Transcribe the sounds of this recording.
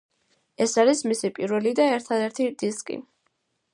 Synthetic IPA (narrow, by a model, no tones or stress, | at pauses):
ɛsaɾismisipʼiɾvɛlid̪aɛɾt̪ʰad̪ɛɾt̪ʰid̪iskʼḭ